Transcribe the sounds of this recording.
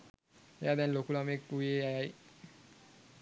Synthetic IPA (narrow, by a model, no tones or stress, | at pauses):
ejad̪ɛnlokulamekueajaj